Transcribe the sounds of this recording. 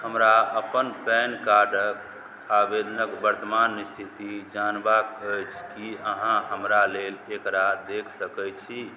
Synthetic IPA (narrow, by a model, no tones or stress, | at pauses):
həmɾaəpənpɛnkaɾɖək | abed̪ənəkbəɾt̪əmanːist̪ʰit̪id͡ʒanbakəjt͡ʃʰkiəɦãɦəmɾalelekɾad̪ekʰsəkət͡ʃʰi